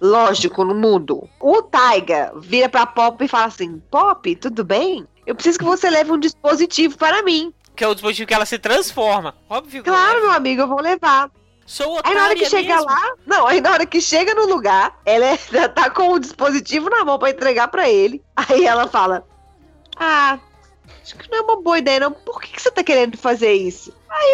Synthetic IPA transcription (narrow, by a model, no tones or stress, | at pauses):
lɔʒikʊnʊmũd̪ʊ̰ʊt̪ajɡɐ̰viɾɐpɾɐpɔpɪɪfalasĩpɔpɪt̪ud̪ʊbẽj̃ | ewpɾɪsizʊkɪvoselɛvɪũd͡ʒispozit͡ʃivʊpaɾɐmĩ | kɪɛʊd͡ʒispozit͡ʃivʊkɪɛlɐsɪt̪ɾɐ̃sfɔɾmɐɔbviuklaɾʊmewamiɡʊewvowlevaɾ | soainɐaɔɾɐkɪʃeɡɐlanɐ̃w̃ainɐɔɾɐkɪʃeɡɐnʊluɡaɾɛlɛɐt̪akõʊd͡ʒispozit͡ʃivʊnamɐ̃w̃pɾɐẽnt̪ɾeɡapɾɐelɪaiɛlɐfalɐ | a | aʃʊ̥kɪnɐ̃w̃ɛũmɐboɐid̪ɛjɐnɐ̃w̃poɾke̥kɪ̥set̪akeɾẽnd̪ʊfazeɾisʊ | ai